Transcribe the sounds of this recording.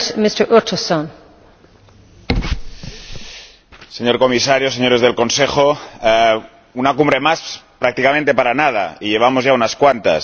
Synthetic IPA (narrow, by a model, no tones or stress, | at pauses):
mɪstə˞ʔɔtʰəsõn | seɲo̞ɾko̞misaɾjos̬eɲo̞ɾe̞zðe̞lko̞nsexo | unakumbɾe̞maspɾak̚t̪ikamẽnt̪e̞paɾanað̞a̰iʎe̞β̞amozʝaunaskwant̪a̰s